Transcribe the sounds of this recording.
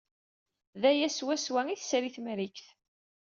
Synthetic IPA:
ðæjæswæswæiθsɾiθmɾikθ

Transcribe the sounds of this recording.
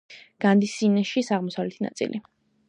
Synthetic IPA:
ɡ̥and̪isːinaʃisaʁmɔsawlɛt̪ʰina̰t̪sʼḭlʔi

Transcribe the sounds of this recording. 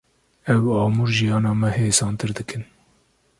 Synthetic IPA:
ɛwɑːmuːɾʒijɑːnɑːmɛheːsɑːnt̪ɨɾd̪ɨkɨn

